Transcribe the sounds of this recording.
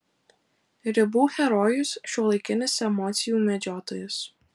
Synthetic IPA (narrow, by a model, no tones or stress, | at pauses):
ɾʲɪbuːxʲɛɾɔjʊsʃʲuɔlˠɐɪkʲɪnʲɪsɛmɔːt̪sʲɪjuːmʲɛd͡ʒʲoːt̪oːjʊs